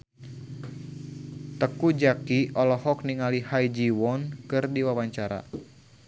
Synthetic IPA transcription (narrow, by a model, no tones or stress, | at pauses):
t̪əkud͡ʒakiɔlɔhɔk̚niŋalihajd͡ʒiwɔnkɨrdiwawaɲt͡ʃaɾa̰